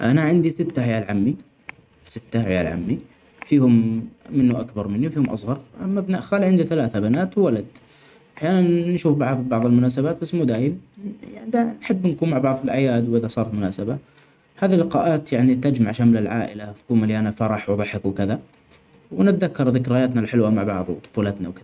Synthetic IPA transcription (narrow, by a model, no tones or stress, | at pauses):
ʔanaʕɪnd̪isɪt̪ːaħɪjaːlʕamːi | sɪt̪ːahaja̰ːlʕa̰mːi | fiːhʊmːɪnːuʔakbɑɾˤmɪnːiwfiːhʊmʔɑ̰sˤɣɑɾˤʔamːabnaʔxaːliʕɪnd̪iθalaːθabanaːt̪wwalad̪ | ʔaħjaːnanːʃuːfbɑʕðˤbɑʕðˤɪlmʊnaːs̬abaːt̪̚basːmuːd̪aːjɪmjanid̪anħɪbːnkuːnmaʕbɑʕðˤɪlʔajaːd̪wʔɪðasˤɑːɾˤɑt̪mʊnaːsaba | haːðilːɪqɑːʔaːt̪jaʕnit̪ad͡ʒmaʕʃamlɪlʕaːʔɪ̰lawt̪kuːnmalːiʔanafɑɾˤɑħwɑðˤɑħɪkwkɪða | wnɪt̪̚ðakːɑɾˤðɪkɾajaːt̪nalħɪlwamaʕbɑ̰ʕðˤwt̪ˤʊ̥fuːlat̪na̰wkɪða